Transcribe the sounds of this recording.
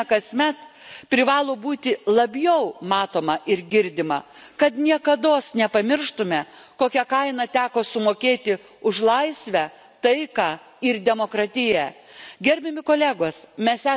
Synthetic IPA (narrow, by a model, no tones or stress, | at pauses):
kɐsʲmʲɛt̪pʲɾʲɪʋɑːlˠoːbuːt̪ʲɪlˠɐbʲjɛʊmɑːt̪oːmɐʔɪɾɡʲɪɾʲd̪ʲɪmɐ | kɐt̪nʲiɛkɐd̪oːsnʲɛpɐmʲɪɾʃt̪ʊmʲɛkoːkʲɛkɐɪnɑt̪ʲæːkoːsʊmoːkʲeːt̪ʲɪ | ʊʃlˠɐɪsʲʋʲæ | t̪ɐɪkɑː | ɪɾd̪ʲɛmoːkɾɑːt̪ʲɪjæɡʲɛɾʲbʲɛmʲɪkoːlʲæːɡoːsmʲɛsæː